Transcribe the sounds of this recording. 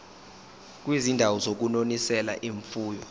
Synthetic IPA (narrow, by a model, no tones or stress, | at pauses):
k̬ʼwizindʱawɔzok̬unonisɛla̰ʔiɱfuːjɔ